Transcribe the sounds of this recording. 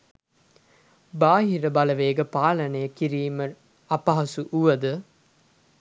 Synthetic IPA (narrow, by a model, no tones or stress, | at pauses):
baːɦiɾəbɐlɐʋeːɡəpaːlɐnejəkiɾiːmə | ɐpɐɦɐsuʔuʋɐd̪ə